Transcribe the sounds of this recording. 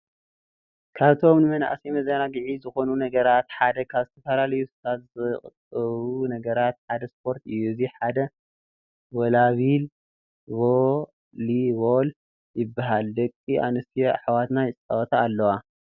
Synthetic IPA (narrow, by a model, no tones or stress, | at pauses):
kʰaβt̪ʰo̞mnɨmɐna̰ʔsimɐzɐnaɡɨʕizɨxo̞nunɐɡɐɾat̪ħad̪ɐkʰaβzɨt̪ʰɐfɐlalɐjust̪ʰat̪zɨχʼɨt̪ʼɐβunɐɡɐɾat̪̚ħad̪ɐspʰo̞ɾt̪ɨjːuɨziħad̪ɐ | wɔlaβil | βo | liβol | jɪbːaɦald̪ɐkʼːiʔa̰nɨst̪ʰiħwat̪najɪt͡sʼɐwt̪ʰaːlːɐwa